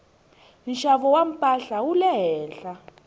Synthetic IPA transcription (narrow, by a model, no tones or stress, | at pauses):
iʃaβɔwam̩pʼaɬawulɛɦɛːnɬa